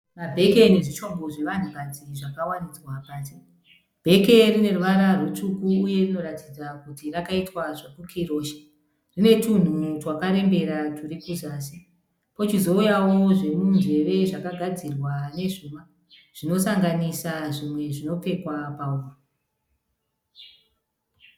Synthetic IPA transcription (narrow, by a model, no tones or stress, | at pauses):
mabʱe̞keneʐit͡ʃo̞mbo̞ʐe̞ʋan̤ukad͡ziʐakawanid͡zwapaːti | b̥ʱe̞ke̞rine̞ruʋaɾarwut͡ʂukuːje̞rino̞ratid͡zakutirakaitwaʐekukʰiro̞ːʃḁ | rine̞tun̤utwakaɾe̞mbe̞ɾaturikuzaːsi | po̞t͡ʃizo̞ujawo̞ʐe̞mund͡ʒe̞ʋe̞ʐakaɡʱad͡zirwane̞ʐuma | ʐ̥ino̞saŋɡanisaʐimwe̞ʐino̞pe̞kwapauːma